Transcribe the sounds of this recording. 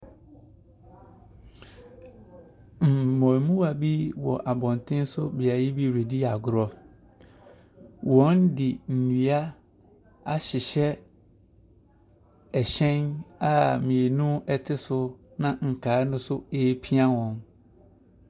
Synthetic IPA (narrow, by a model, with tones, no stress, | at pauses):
m̩˨mɔ̃˨mũ˦a˨bi˦wɔ̰˨ʔa˨bɔ̃˨n˨tʰɪ̃˦n˦sʊ˦bi˨a˨jɪ˦bi˦ɾe˨di˦a˨ɡʊ˨ɾɔ˦ | wʔɔ̃˦ndɪ˨n̩˨nũ˨a˦ | a˦ɕɪ˨ɕɛ˦ | ɛ˨ɕɛ̃˦na˦˨mĩ˨e˨nũ˦ɛ˨tʰɪ˦sʊ˦nã˦ŋ̩˨kʰaː˨˦nʊ̃˦sʊ˦e˦pʰi˦a˦wɔ̃˨n